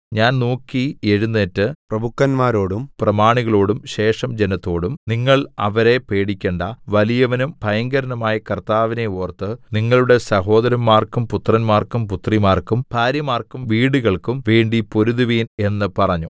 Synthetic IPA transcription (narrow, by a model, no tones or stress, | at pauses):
ɲaːnnoːkːieɻunːeːtːɨprɐbʱukːɐnmaːɾo̞ːɽumprɐmaːɳiɣɐɭo̞ːɽumɕe̞ːʂɐmd͡ʑenɐt̪ːo̞ːɽumniŋːɐɭɐ̰ʋɐɾe̞pe̞ːɽikʲːeːɳɖɐʋɐlijɐʋɐnumpɐjɐŋɡɐɾɐnɐmaːjɐkɐrt̪aːʋine̞oːrt̪ːɨniŋːɐɭuɽe̞sɐɦo̞ːd̪ɐɾɐmːaːrkumput̪rɐnmaːrkumput̪rimaːrkumpʰaːɾjɐmaːrkumʋiːɽuɣɐɭkumʋeːɳɖipo̞ɾuðiʋiːne̞nːɨpɐrɐɲːu